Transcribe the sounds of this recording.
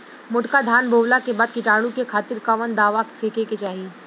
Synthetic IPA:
mʊʈkad̪ʱaːnbʱoːʋlakebaːd̪̚kɪʈaːɽũkekʰaːt̪ɪɾkaʋənd̪aːʋakfʰeːkeket͡ʃaːɦi

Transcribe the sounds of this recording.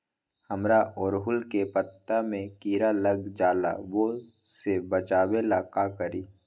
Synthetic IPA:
həmɾaʔɔːɾɦʊlkepət̪ːamẽkiːɾaləɡd͡ʒaːla̰ʋo | sebət͡ʃaːwelakaːkəɾiː

